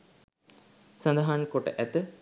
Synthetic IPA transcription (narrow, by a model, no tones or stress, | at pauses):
sɐnd̪ɐɦaːnkoʈːɨ̰ʔet̪ːɨ